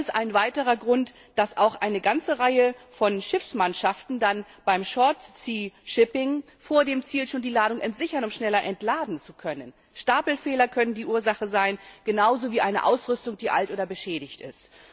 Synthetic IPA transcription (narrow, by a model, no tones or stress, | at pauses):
stʔaɪnvaɪtəʁɐɡʁʊnt | d̥asʔaʊxʔaɪnəɡant͡səʁaɪəfɔnʃɪfsmanʃaftn̩dan | b̥aɪmʃɔɐtt͡siːʃɪpɪŋ | foːɐdeːmt͡siːlʃoːndiːlaːɾʊŋʔɛntz̥ɪçɐnʊmʃnɛlɐʔɛntlaːdn̩t͡sukʰœnən | ʃtaːpl̩fɛːlɐkʰœnəndiːʔuːɐzaχəzaɪnɡ̥ənaʊzoːviːʔaɪnəʔa̰ʊsʁʏstʊŋd̥iːʔa̰ltʔoːdɐbəʃɛːɾɪçtɪ̰st